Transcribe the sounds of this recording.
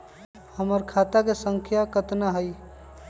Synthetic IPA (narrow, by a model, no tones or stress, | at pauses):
həməɾkʰat̪akesəŋkʰjakət̪naɦəj